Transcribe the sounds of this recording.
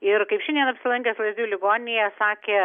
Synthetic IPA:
ɪɾkɐɪpʃʲɛndʲiɛnɐpʲsʲɪlˠɐŋʲkʲeslˠɐzʲd̪ʲuːlʲɪɡoːnʲɪnʲejɛsɑːkʲeː

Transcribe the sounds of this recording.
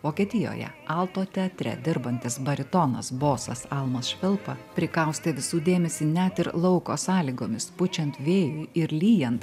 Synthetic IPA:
ʋoːkʲeːt̪ʲɪjo̰ːjɛ̰ɑlˠt̪oːt̪ʲɛɐt̪ʲɾʲɛ̰d̪ʲɪɾbɐnʲt̪ʲɪsbɐɾʲɪt̪ɔnɐ̰sboːsɐ̰sɑlˠmɐsʃʲʋʲɪlˠpɐpʲɾʲɪkɐʊsʲt̪ʲeʋʲɪsuːd̪ʲeːmʲɛsʲɪnʲɛt̪ɪɾlˠɒʊkoːsɑːlʲiɡoːmʲɪspʊt͡ʃʲɛnt̪ʋʲeːjʊɪɪɾlʲiːjɛnt̪

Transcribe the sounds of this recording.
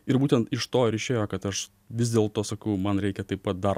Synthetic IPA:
ɪɾbuːt̪ʲɛnt̪ɪʃt̪oːɾʲɪʃʲeːjoːkɐt̪ɐʃ | ʋʲɪzd̪ʲeːlˠt̪oːsɐkɐʊmɐnɾʲɛɪkʲɛt̪ɐɪpɐt̪̚d̪ɐɾ

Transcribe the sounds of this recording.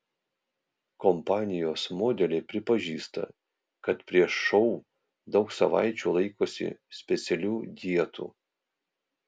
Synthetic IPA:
kɔmpɑːnʲɪjoːsmoːd̪ʲɛlʲepʲɾʲɪpɐʒʲiːst̪ɐ̰ | kɐt̪pʲɾʲiɛʃːɔʊ | d̪ɒʊksɐʋɑ̰ɪt͡ʃʲuːlˠɐɪkoːsʲɪ̰sʲpʲɛt̪sʲɛlʲuːd̪ʲiɛt̪ṵː

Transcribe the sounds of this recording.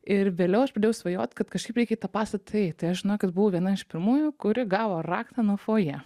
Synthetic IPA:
ɪɾʋʲeːlʲɛʊɐʃpɾɐd̪ʲeːjɛʊsʋɐjo̰ːt̪ʲkɐt̪kɐʃkɐɪpɾɛɪkʲɛit̪ɐpɑːst̪ɐtt̪ɐt̪ɐɪɐʃʒʲɪnoʊkɐt̪bʊʋoʋʲiɛnɐɪʃpʲɪɾmuːjʊkʊɾʲɪɡɑːʋoːrɑːkt̪ɐnuɔfoːjɛ

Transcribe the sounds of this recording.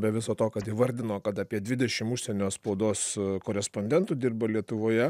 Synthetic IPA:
bʲɛʋʲɪsoːt̪oːkɐt̪iʋɐɾʲd̪ʲɪnoːkɐt̪ɑpʲiɛdʲʋʲɪd̪ʲɛʃʲɪmʊʃʲsʲɛnʲoːspoʊd̪oːskoːɾʲɛsponʲd̪ʲɛnt̪uːd̪ʲɪrbɐlʲiɛt̪ʊʋoːjɛ

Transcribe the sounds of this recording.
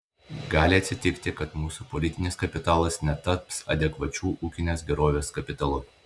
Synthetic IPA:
ɡɑːlʲɪɐt̪ʲsʲɪt̪ʲɪkt̪ʲɪkɐt̪muːsupɔlʲɪt̪ʲɪnʲɪskɐpʲɪt̪ɑːlˠɐsnʲɛt̪ɐpsɐ̰d̪ʲɛkʋɐt͡ʃʲuːʔuːkʲɪnʲeːsɡʲɛɾoːʋʲeːskɐpʲɪt̪ɐlˠʊ

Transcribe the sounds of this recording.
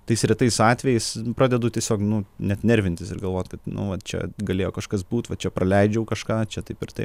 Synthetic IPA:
t̪ɐɪsɾʲɪt̪ɐɪsɑːt̪ʲʋʲɛjɛɪspɾɑːd̪ʲɛd̪ʊːtʲiɛsʲoːknʊnʲɛɐt̪ʲnʲɛɾʲʋʲɪnt̪ʲɪsɪɾɡɐlˠʋoːt̪ʲkɐt̪nʊ̰ʋɐt͡ʃʲɛ̰ɡɐlʲeːjoːkɐʃkɐsbuːt̪ʋɐt͡ʃʲɛpɾɐlʲɛɪd͡ʒʲɛʊkɐʃkɑːt͡ʃʲɛt̪ɐɪpɪɾt̪ɐɪ

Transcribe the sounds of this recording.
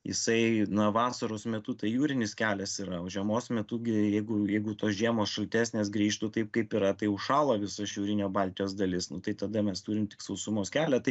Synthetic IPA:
jɪ̰sɐɪnɐʋɑːsɐɾoːsmʲɛt̪uːt̪ɐɪjuːɾʲɪnʲɪskʲæːlʲɛsɪɾɐoːʒʲɛmoːsmʲɛt̪uːɡʲɪjɛɪɡʊjɛɪɡʊt̪oːsʒʲiɛmoːsʃɐlʲt̪ʲæːsʲnʲeːsɡɾʲiːʃt̪ʊt̪ɐɪp̚kɐɪpɪɾɐt̪ɐɪʊʃʃɑːlˠoːʋʲɪsɐsjuːɾʲɪnʲoːbɑlʲt̪ʲɪjoːsd̪ɐlʲɪsnʊt̪ɐɪt̪ɐd̪ɐmʲɛst̪uːɾʲɪmt̪ʲɪ̥ksɐʊsʊmoːskʲæːlʲɛt̪ɐɪ

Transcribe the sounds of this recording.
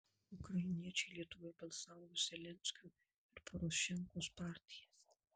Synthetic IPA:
ʊkɾɐjɪnʲiɛt͡ʃʲɛɪlʲiɛt̪ʊʋobɐlʲˠsɑːɡuzʲɛlʲɛnʲsʲkʲu | ɪɾpʰɔɾɔʃʲɛŋkoːspɑˑɾʲt̪ʲɪjɛs

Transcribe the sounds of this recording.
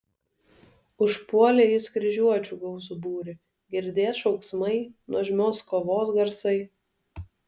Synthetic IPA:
ʊʃpuɔlʲeːjɪskɾʲɪʒʲuɔt͡ʃʲuːɡɔʊzuːbuːɾʲɪ | ɡʲɪɾʲd̪ʲeːsʃɒʊksmɐɪnuɔʒʲmʲoːskoːʋoːsɡɐɾsɐɪ

